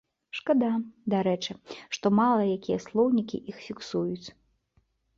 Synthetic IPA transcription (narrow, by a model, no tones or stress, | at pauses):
ʂkad̪ad̪aɾɛt͡ʂɨʂt̪ɔmalˠɐjakʲijɛslˠɔwnʲikʲḭʔixfʲiksujut͡sʲ